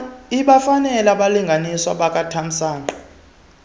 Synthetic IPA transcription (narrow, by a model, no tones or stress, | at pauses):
iɓafanɛlaɓaliŋɡʱaniswa̰ɓak̬ʼatʰam̩saːnǃɔ